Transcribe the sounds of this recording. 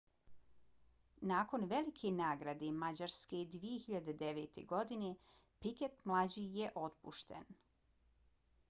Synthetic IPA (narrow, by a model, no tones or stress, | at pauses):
naːko̞nʋe̞likʰenaːɡɾad̪emad͡ʑaɾsked̪ʋijehiʎad̪ed̪e̞ʋet̪ʰḛɡo̞d̪ine | piket̪mlˠad͡ʑijeʔo̞t̪puʃt̪ḛn